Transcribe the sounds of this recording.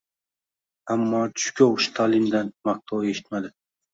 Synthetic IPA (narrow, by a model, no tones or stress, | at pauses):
amːɒːt͡ʃʰʊʃʊkʲoʊʃt̪ʰaːlɪmd̪anmaq̚t̪ʰaweʃɪ̥t̪mad̪ɪ